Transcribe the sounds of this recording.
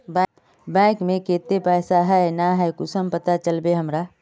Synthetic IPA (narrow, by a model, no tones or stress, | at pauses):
bɛ̃ | bɛ̃ːkmẽkeːt̪epɛːsaɦɛnaɦɛkʊsəmpət̪at͡ʃəlbeɦəmɾaː